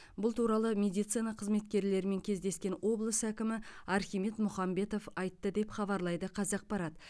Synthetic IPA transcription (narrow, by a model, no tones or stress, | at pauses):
bʊlˠt̪ʰuɾɑlˠəmʲe̞d̪ijt̪sɨjnɑqʰəzme̞t̪kʲe̞ɾle̞ɾɪme̞ŋkʲʰe̞zd̪e̞skʲe̞nwo̞blˠəsəækʲɪmɪɑɾχʲimet̪mʊχɑmbe̞t̪o̞fɑjt̪ːəd̪e̞pχɑbɑɾlˠɑjd̪əqʰɑzɑq̚pɑɾɑt̪